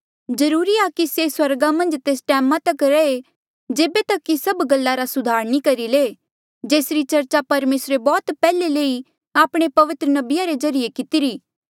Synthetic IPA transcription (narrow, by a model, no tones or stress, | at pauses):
d͡ʒɐɾuːɾiakiseswɐɾɡamɐ̃nd͡ʒt̪eːsʈɛːmãt̪ɐkɾɐe | d͡ʒeːbet̪ɐkːisɐbɡɐlːaɾasʊd̪ʱaːɾnikɐɾileː | d͡ʒeːsɾit͡ʃɐɾt͡ʃapɐɾmeːsɾebɔːt̪pɛːleleːi | aːpɽ̃epɐʋɪt̪ɾənɐbɪjaɾed͡ʒɐɾijekɪt̪ɪɾiː